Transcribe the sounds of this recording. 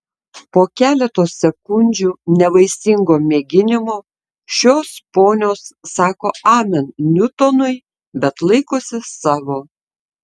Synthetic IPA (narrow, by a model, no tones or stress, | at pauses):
poːkʲæːlʲɛt̪oːsːʲɛkʊnʲd͡ʒʲuːnʲɛʋɐɪsʲɪŋɡoːmʲeːɡʲɪnʲɪmoː | ʃʲoːspoːnʲoːsːɑːkoːɑːmʲɛnnʲʊt̪oːnʊɪ | bʲɛt̪lˠɐɪkoːsʲɪsɑːʋoː